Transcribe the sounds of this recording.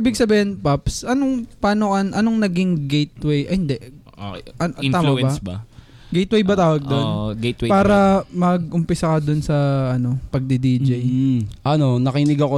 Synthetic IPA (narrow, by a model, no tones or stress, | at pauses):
ʔiːbɪɡsɐbiːhɪnpapsʔɐnoŋpaːnokɐnʔɐnoŋnɐɡɪŋɡejt̪̚wɛjʔɐhɪnd̪ɛʔ | ʔɐt̪aːmɐbɐsb | ɡejt̪wɛjbɐt̪aːwɐɡ̚d̪onɡejtwpaːɾɐmɐɡ̚ʔʊmpɪsɐkɐd̪ʊnsɐʔɐno̞pɐɡ̚d̪id̪iːd͡ʒɐjʔɐnonɐkɪnɪɡɐko